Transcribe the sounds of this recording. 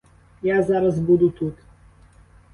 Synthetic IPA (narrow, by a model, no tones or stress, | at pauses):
jazaɾazbud̪ut̪ʰut̪